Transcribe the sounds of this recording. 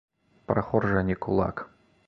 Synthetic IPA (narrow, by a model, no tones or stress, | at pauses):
pɾaxɔrʐanʲikulˠa̰k